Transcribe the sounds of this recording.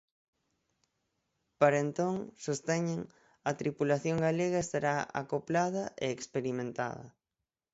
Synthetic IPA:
paɾent̪oŋsost̪ɛɲeŋ | ɐt̪ɾipulaθjoŋɡaleɣɐest̪aɾaa̰koplað̞ɐʔḛːkspeɾimẽnt̪a̰ðɐ̰

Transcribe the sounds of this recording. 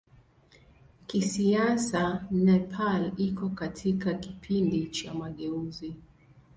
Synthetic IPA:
kisiasanɛpʰalikɔkatʰikakipʰindit͡ʃamaɠɛuzi

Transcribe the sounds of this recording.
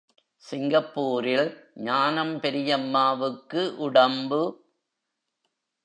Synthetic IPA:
sɪŋɡɐpːuːɾɪlɲaːnɐmpɛɾɪjɐmːaːʋɯkːɯʔʊɽɐmbɯ

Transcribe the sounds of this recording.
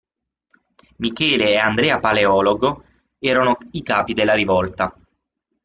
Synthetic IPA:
mikɛːleːand̪ɾɛːapaleɔːloɡo | ɛːɾanoikaːpid̪elːaɾivɔlt̪a

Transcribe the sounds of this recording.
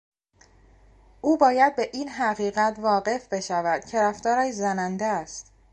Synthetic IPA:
ʔuːbɒːjæd̪̚be̞ʔiːnɦæɣiːɣæt̪ʰvɒːɢe̞fbe̞ʃævæd̪̥̚cʰe̞ɾæft̪ɒːɾæʃzænænd̪eæst̪

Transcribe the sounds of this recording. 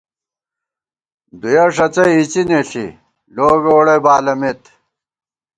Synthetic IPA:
d̪ujɐʂɐt͡sɐjit͡sineɬḭ | loːɡoːɽɐjbaːlɐmet̪

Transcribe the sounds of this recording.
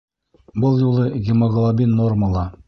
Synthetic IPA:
bɤlˠjulˠɤɡʲɪmoɡlˠabʲinːorməlˠɑ

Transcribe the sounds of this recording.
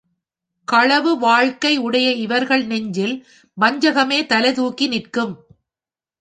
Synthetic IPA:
kɐɻɐʋɯʋaːɻkɐɪʊɽɐjɐɪʋɐɾɣɐɭnɛɲd͡ʒɪl | mɐɲd͡ʒɐɣɐmeːt̪ɐlɐɪðuːkːinɪrkɯm

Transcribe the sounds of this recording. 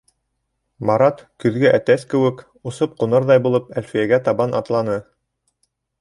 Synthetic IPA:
mɑɾɑt̪kɵ̆ðɡæʔæt̪æskɘ̆wɘk | ŏsɤp̚qunɤɾðɑjbulˠɤpælfijæɡæt̪ɑβɑnʔɑ̰t̪lˠɑnɤ

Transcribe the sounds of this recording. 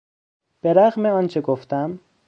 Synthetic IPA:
b̥eɾæɣmeɒːnt͡ʃʰeɡoft̪æm

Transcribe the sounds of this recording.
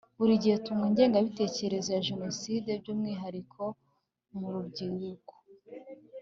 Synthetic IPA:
βuɾiɟietumŋiːɲɟe̞ːŋɡaβite̞ːce̞ɾe̞zo̞jaʒe̞no̞side̞bɟuːmŋiːɦaɾikʰo̞ | muɾubɟiːɾuko̥

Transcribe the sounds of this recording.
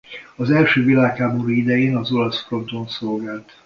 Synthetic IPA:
ɒzɛlʃøːvilaːkhaːboɾuid̪ɛjeːnɒzolɒsfro̞nt̪onsolɡaːlt̪

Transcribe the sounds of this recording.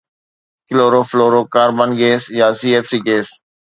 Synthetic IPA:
kɪloːɾoːfloːɾoːkaːɾbanɡeːsjaːsiːefsiːɡeːs

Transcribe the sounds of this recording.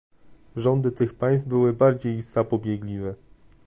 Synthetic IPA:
ʐɔnd̪ɘt̪ɘxpaj̃st̪bɘwɘbaɾd͡ʑejzapɔbʲjɛɡlʲivɛ

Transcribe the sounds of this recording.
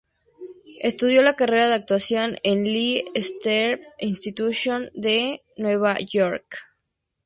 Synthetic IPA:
e̞st̪uð̞jo̞lakare̞ɾaðeak̚t̪wasjo̞nenliest̪eɾinst̪it̪usjo̞nd̪e̞ | nwe̞β̞aʝoɾk

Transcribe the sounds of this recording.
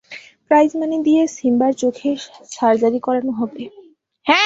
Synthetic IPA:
pɾajd͡ʑmanid̪iesimbaɾt͡ɕokʰeʃaɾd͡ʑaɾikɔɾaɾnoɦob̪e | hɛ

